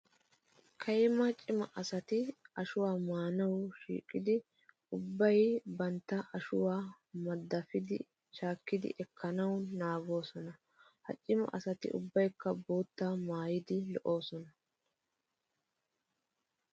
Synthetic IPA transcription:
kʰɐjmɐt͡ʃʼɪmɐ̰ʔɐsɐt̪ɪɐʃʊwaːmaːnɐwʃḭːkʼːɪd̪ɪ | ʊbːɐjbɐnt̪ːɐʔɐʃʊwaː | mɐd̪ːɐfɪd̪ɪ̰ | ʃaːkːɪd̪ɪ̰ʔɛkʰːɐnɐwnaːɡo̞ːsɔnɐ | hɐ̰t͡ʃʼːɪmɐ̰ʔɐsɐt̪ɪ̰ʔʊ̰bːɐjkːɐboːt̪ːamaːjɪd̪ɪlɔʔo̞ːsɔnɐ

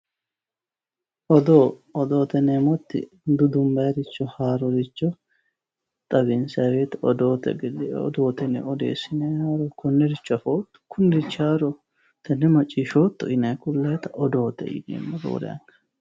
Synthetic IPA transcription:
ʔɔd̪oːɔd̪oːt̪ɛneːmɔt̪ːɪ̰ | d̪ʊd̪ʊmbɐɾɪt͡ʃːɔhaːɾɔɾɪt͡ʃːɔ | t̪ʼɐbɪnsɐweːt̪ɔd̪oːt̪ɛ̰ɡɛd̪ɛ̰ɔ̰d̪oːt̪ɛnɛ̰ɔd̪ḛːsɪnɛaːɾɔkʊnːɛɾɪt͡ʃːɔɐfoːt̪ːʊ̥kʰʊnd̪ɪt͡ʃːaːɾɔ | t̪ɐnːɛmɐt͡ʃʼːiːʃoːt̪ːɔʔɪnɐkʊlːɐjt̪ɐʔɔd̪o̞ːt̪ːɛ̰ʔɪ̰nḛːmːɔdo̰ːd̪ɐ̰ɐ̰ŋkɐ̥

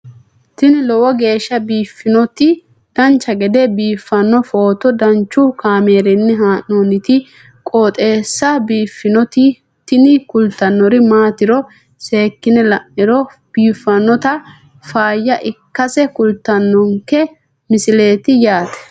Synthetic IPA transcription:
t̪ɪnɪlɔwɔɡe̞ːʃːɐbiːfːɪnɔt̪ɪ | d̪̥ɐnt͡ʃːɐɡɛd̪ɛbiːfːɐnːɔfo̞ːt̪ɔd̪ɐnt͡ʃːʊkaːme̞ːɾɛnːɪɦaːnonɪt̪ɪ | kʼoːt̪ʼe̞ːsːɐbiːfːɪnɔt̪ɪ | t̪ɪnɪkʊlt̪ːɐnːɔɾɪmaːt̪ɪɾɔ | se̞ːkːɪnɛlɐʔːɪɾɔ | b̥iːfːɐnːɔt̪ɐ | faːjːɐʔɪkːɐsɛkʊlt̪ːɐnːɔŋkɛ | mɪsɪle̞ːt̪ɪjaːt̪ɛ̥

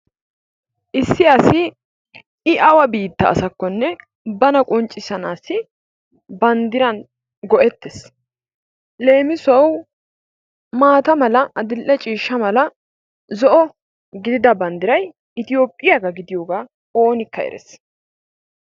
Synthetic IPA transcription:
ʔɪsːɪɐsɪː | ʔɐwɐbiːt̪ːɐ̰ːsɐkːɔnːɛ | bɐnɐkʼʊnt͡ʃʼːɪsɐnaːsɪ | bɐnd̪ɪɾɐn | ɡɔʔɛt̪ːɛs | le̞ːmɪsɔw | maːt̪ɐmɐlɐʔɐd̪ɪlʔɛt͡ʃʼiːʃːɐmɐlɐ | zɔʔɔ | ɡɪd̪ɪd̪ɐbɐnd̪ɪɾɐj | ɪt̪ɪjoːpʼːɪjaɡɐɡɪd̪ɪjoːɡaː | o̞ːnɪkːɐɛ̰ɾɛ̰s

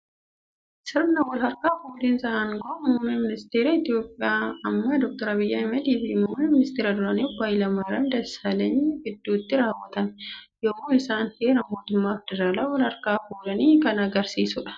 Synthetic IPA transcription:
sɪɾbnɐwɔlhɐɾkaːfuːlɪnsɐʔɐŋɡomʊːmːɪmɪnɪst̪eːɾɐɪt̪ɪjo̞ːpʼːɪaːɐmːɐd̪ɔk̚t̪ɔɾɐbɪjːɐɐmɐd̪iːbimuːmɪmɪnɪst̪eːɾɐd̪ʊɾɐnibaːɪlɐmaːɾɐnd̪ɐsɐlɐnibɪd̪ːuːt̪ːɪɾaːwːɐt̪ɐmɛjɔmuːɪsaːnhe̞ːɾɐmo̞ːt̪ʊmːaːfd̪ɪɾaːlaːwɔlhɐɾkaːfuːlɐniːkɐnɐɡɐɾsiːsʊᶑɐ̥

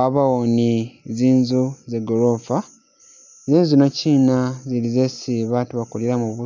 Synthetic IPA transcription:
aβawoniziːnzuzeɡoɾofa | ziːnzunociːnazilizesiβatuβakoleɾamuβu

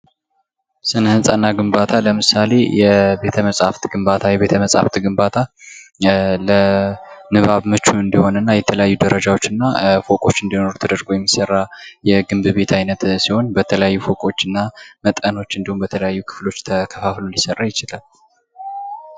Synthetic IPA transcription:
sɨnhɨnsʼanːaɡɨmbat̪ʰaləmɨsale̞jɛbe̞t̪ʰəməsʼa̰ft̪ɡɨmbat̪ʰajɛβe̞t̪ʰəməsʼa̰ft̪ʰɡɨmbat̪ʰa | lənɨβaβmɨt͡ʃːuɨnd̪iho̞nɨnːajɛt̪ʰələjajːud̪əɾəd͡ʒawo̞t͡ʃːɨnːafo̞kʼo̞t͡ʃːɨnd̪ihno̞ɾut̪ʰəd̪əɾɡojɛmːisərːajɛɡɨmbɨβe̞t̪ʰajnət̪siho̞nbət̪ʰələjajːufo̞kʼo̞t͡ʃːɨnːamət̪ʼəno̞t͡ʃːɨnd̪ihumbət̪ʰələjajːukʰɨ̥flo̞t͡ʃːt̪ʰəkʰəfaflolisərːajɪt͡ʃɪlal

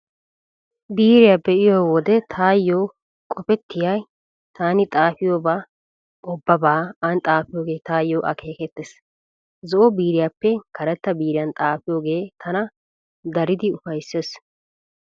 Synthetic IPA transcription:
biːɾɪjaːbɛʔɪjoːwɔd̪ɛt̪ʰaːjːoː | kʼɔpɛt̪ːɪjɐj | t̪ʰaːnɪt̪ʼaːfɪjoːbaː | ʔɔbːɐbaːɐnt̪ʼaːfɪjoːɡe̞ːt̪aːjːoːʔɐ̰kʰe̞ːkɛt̪ːeːs | zɔʔɔbiːɾɪjapːɛkɐɾɛt̪ːɐbiːɾɪjɐnt̪ʼaːfɪjoːɡe̞ːt̪ʰɐnɐ | d̪ɐɾɪd̪ɪʊfɐjsːeːs

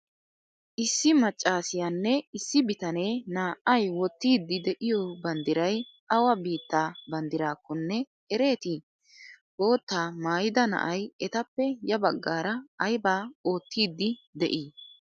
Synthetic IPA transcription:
ʔɪsːɪmɐt͡ʃʼːaːsɪjanːɛɪsːɪbɪt̪ɐne̞ːnaːʔɐjwɔt̪ːiːd̪ːɪd̪ɛʔɪjɔːbɐnd̪ɪɾɐjʔɐwɐbiːt̪ːaːbɐnd̪ɪɾaːkːɔnːɛ | ɛɾe̞ːt̪ɪ | o̞ːt̪ːaːmaːjɪd̪ɐnɐ̰ʔɐjɛt̪ɐpːɛjɐbɐɡːaːɾɐːjbaːo̞ːt̪ːiːd̪ːɪd̪ɛ̰ʔiː

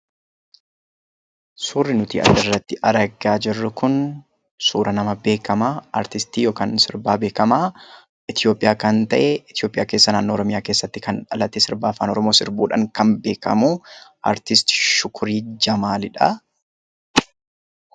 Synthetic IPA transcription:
suːrːɪnʊt̪ḭːʔɐ̰d̪ɪrːɐt̪ːɪʔɐɾɐɡaːd͡ʒɪrːʊkʊn | suːɾɐnɐmɐbe̞ːkɐmaːɐ̰ɾt̪ɪst̪iːjo̞ːkansɪɾbaːbe̞ːkɐmaː | ɪt̪ɪjo̞ːpʼːɪjaːkɐnt̪ɐʔɛɪt̪ɪjoːpʼɪjaːkeːsːɐnaːnːoːɔɾɔmɪjaːke̞ːsːɐt̪ːɪkɐnᶑɐlɐt̪ɛsɪɾbaːfaːnɔɾɔmoːsɪɾbuːᶑɐŋkɐmbe̞ːkɐ̰muːʔɐ̰ɾt̪ɪst̪ɪ̥ʃʊkʰʊɾiːd͡ʒɐmaːlɪᶑɐ

